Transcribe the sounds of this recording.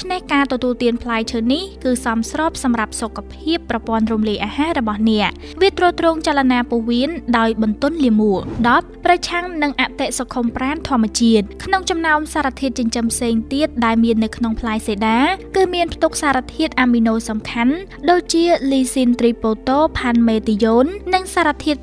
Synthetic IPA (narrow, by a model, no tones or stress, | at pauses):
t͡ɕʰnehkaːt̪ɔt̪uəlt̪iənpʰlaːj̚t͡ɕʰəːnihkɨːsɑmsrɔːp̚sɑmrap̚sokːapʰiəpːrɑpŏənrumliəjʔaːhaːɾɔɓɑhnɛ̆əʔ | ʋiət̪rɔːt̪roːŋt͡ɕalanaːpoːʋiənɗaɔjɓɑnt̪ʊ̆ənliəmuəʔɗɑp̚ːrɑt͡ɕʰaŋnɨŋʔaʔt̪eʔsokʰːumpraːnt̪ʰŏəmːɛ̆ət͡ɕiət̪̚kʰnoŋt͡ɕɑmnaɔmsaːɾat̪ʰiət̪t͡ɕəɲt͡ɕəmpʰseːŋt̪iət̪̚ɗaɛlmiənːɨwkʰnoŋpʰlaɛjseːɗaːkɨːmiənpʰt̪uk̚saːɾat̪ʰiət̪̚ʔaːminoːsɑmkʰan | ɗoːc̚t͡ɕiəliːsint̪riːpoːt̪oːpʰanmeːt̪ijoːnːɨŋsaːɾat̪ʰiət̪̚